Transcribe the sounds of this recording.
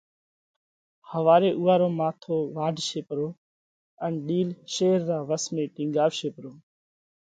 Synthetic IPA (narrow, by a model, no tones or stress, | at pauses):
həʋaːɾeːʔuːaːɾoːmaːt̪ʰoːʋaːɖʱʃeːpɾoː | ənɗiːlʃeːɾːaːʋəsmẽːʈɪ̃ːŋɡaːʋʃeːpɾoː